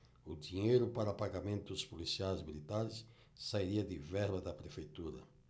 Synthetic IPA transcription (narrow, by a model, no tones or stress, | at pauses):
ʊd̪iɲejɾʊpaɾɐpaɡamẽnt̪ʊspolisiajzmilit̪aɾɪs | saiɾiɐd̪ɪvɛɾbɐd̪ɐpɾefejt̪uɾɐ̰